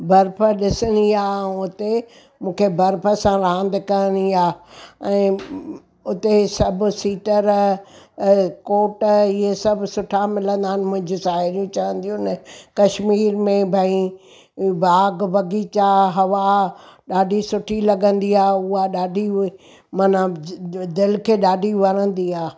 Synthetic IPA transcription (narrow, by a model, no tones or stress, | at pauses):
bɐɾpʰəɗɪsənijãʊt̪e | mũːkʰebɐɾpʰə̆sãɾãːnd̪kɐniaːɛ̃ː | ʊt̪esɐb̆ʱsiːʈəɾ | koːʈɪɦesɐbʱsʊʈʰamɪlə̃nd̪aːɦɪnɪ̆mʊ̃ɦɪ̃ɲd͡ʑʊʃaːɦɪɾijũt͡ɕɐʋə̃nd̪ijũnəkɐʃmiːɾmẽbʱɐĩ | bʱaːɡbɐɡit͡ɕaɦɐʋaɗaːɖʱisʊʈʰilɐɡə̃nd̪iaːʊɦaɗaːɖʱi | mɐnad̪ɪlkʰeɗaːɖʱiʋɐɾə̃nd̪iaː